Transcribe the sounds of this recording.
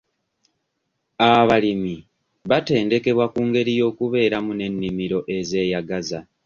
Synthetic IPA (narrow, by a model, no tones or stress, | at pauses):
aβalimi | βate̞ːnde̞ke̞βwakuːŋɡe̞ɾijo̞ːkuβe̞ːɾamune̞nːimiɾo̞ʔe̞ze̞ːjaɡaza